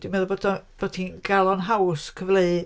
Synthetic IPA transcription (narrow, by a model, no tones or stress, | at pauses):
imɛðɔbodɔb̥ɔtʰinɡalˠɔnɦawskʰəvleɨ